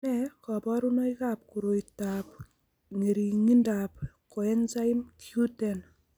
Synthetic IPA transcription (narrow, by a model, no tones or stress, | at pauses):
ɛkɔpɔɾunojkap̚kuɾojtap | ŋeɾiŋindap̚koɛnsajmtutɛn